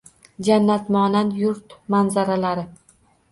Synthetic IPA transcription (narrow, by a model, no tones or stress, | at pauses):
d͡ʒanːat̪mɒnanjʊɾt̪manzaɾalaɾɪ